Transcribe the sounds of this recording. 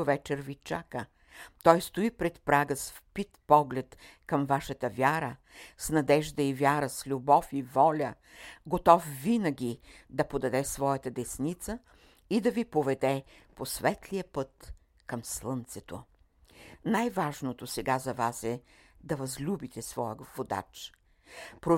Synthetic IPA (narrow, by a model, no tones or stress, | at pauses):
ovɛt͡ʃɛɾvit͡ʃa̰kə | t̪ɔjst̪oipɾɛt̪pɾaɡəsfpit̪pɔɡlɛt̪kɐmvaʃət̪əvʲaɾə | snɐd̪ɛʒd̪əivʲjaɾəslʲubɔfivɔlʲə | ɡot̪ɔfːinəɡʲid̪ɐpod̪ɐd̪ɛsvɔjət̪əd̪ɛsnit̪sə | id̪ɐvipovɛd̪ɛposvɛt̪lʲijəpɤt̪ | kɐmslˠənt̪sɛt̪o̰ | najvaʒnot̪osɛɡazɐvasɛ | d̪ɐvɐzlʲubit̪ɛsvɔjəvod̪a̰t͡ʃ | pɾo